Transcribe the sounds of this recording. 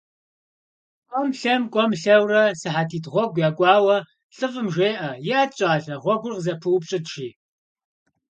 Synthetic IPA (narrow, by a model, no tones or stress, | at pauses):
qʔʷʼɔmɬɐmkʷʼɔmɬɐwrɐsɨħatʰiːtʁʷɔɡʷjaːɡʷʼɑːwɐ | ɬɨfɨmʒʷeːʔɐjɪaːt͡ʃʼaːɬɐʁʷɔɡʷʊrqzɐpʰɨwpɕʼɪdʃiː